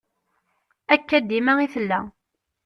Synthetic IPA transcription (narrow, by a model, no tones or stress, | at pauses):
ækːæd̪ːimæiθəlːæ̰